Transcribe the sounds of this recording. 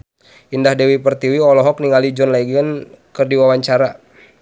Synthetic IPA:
indahdɛwipərt̪iwiɔlɔɦɔk̚niŋalid͡ʒɔnlaiɡənkɨrdiwawaɲt͡ʃaɾa

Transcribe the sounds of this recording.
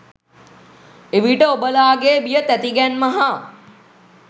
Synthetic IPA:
eʋiʈəobəlaːɡeːbijət̪æt̪iɡænmaɦa

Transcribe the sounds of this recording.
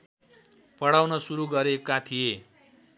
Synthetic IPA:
pʌɽawnʌsuɾuɡʌɾekat̪ʰije

